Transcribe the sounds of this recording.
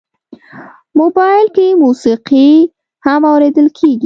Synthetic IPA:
mobɑjɪlkemusiqi | hamawɾed̪əlkʰeɡi

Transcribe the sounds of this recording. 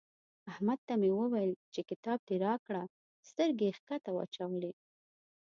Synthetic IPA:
ahmad̪̚t̪amewəwajəlt͡ʃekɪt̪ɑb̚t̪eɾɑkɽa | st̪əɾɡexkat̪awɑ̰t͡ʃawəle

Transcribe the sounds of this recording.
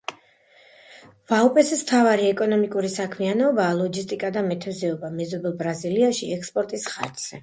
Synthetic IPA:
vaupʼɛsɛsmt̪ʰavaɾiɛkʼɔnɔmikʼuɾisakʰmianɔbaːlˠɔɡist̪ʼikʼad̪amɛt̪ʰɛzɛɔbamɛzɔbɛlˠbɾaziliaʃiɛkspʼɔɾt̪ʼisχa̰ɾt̪z̥ɛ

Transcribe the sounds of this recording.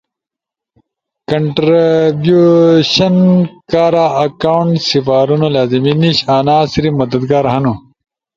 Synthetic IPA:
kɐɳʈɾbjuɕɐnkaːɾaɐkawuɳʈsifaːɾunolaːziminiɕaːnaːsiɾimɐd̪ɐd̪ɡaːɾɦɐnu

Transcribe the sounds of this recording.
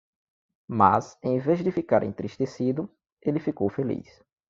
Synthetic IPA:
ma̰sẽj̃vezd̪ɪfikaɾʔḛ̃nt̪ɾiʃt̪esid̪ʊ | elɪfikowfelḭs

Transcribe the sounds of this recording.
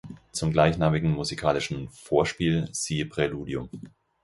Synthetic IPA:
t͡sʊmɡlaɪçnaːmɪɡŋ̩muzikʰaːlɪʃn̩foːɐʃpiːlz̥iːəpʁ̥ɛluːdjʊm

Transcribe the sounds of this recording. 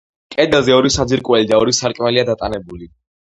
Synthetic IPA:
kʼɛd̪ɛlˠzɛɔɾisad̪ziɾkʼwɛlid̪aɔɾisaɾkʼmɛliad̪at̪ʼanɛbuli

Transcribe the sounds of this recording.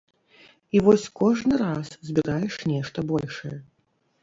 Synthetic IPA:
ivɔsʲkɔʐnɨɾaszʲbʲiɾajɛʂnʲɛʂt̪ɐbɔlʲʂɐjɛ

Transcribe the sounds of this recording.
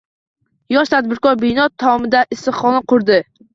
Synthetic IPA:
jɒʃt̪ʰad̪̚bɪɾkɒɾbɪjnɒt̪ʰːaɒmɪd̪aʔɪst̪ɨχɒnaqʰʊɾd̪ɪ

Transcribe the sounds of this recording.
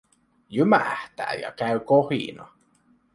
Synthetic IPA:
jymæ̰ht̪æ̰ːjɑ̰kæɥkohḭnɑ

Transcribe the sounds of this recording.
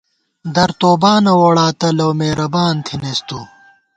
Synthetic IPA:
d̪ɐɾt̪oːbaːnɐwɐɽaːt̪ɐlɐwmeːɾɐbaːnt̪ʰinest̪u

